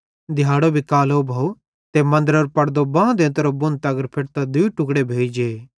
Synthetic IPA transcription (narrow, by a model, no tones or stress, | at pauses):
d̪ʱɪjaːɽobʱikaːlobʱɐːu | t̪emɐ̃nd̪əɾɔːɾpɐɽd̪obãːd̪ẽːt̪ɐɾobʊ̃nt̪ɐɡəɾpʰeɽt̪ad̪uːʈʊkɽebʱeːd͡ʒd͡ʒeː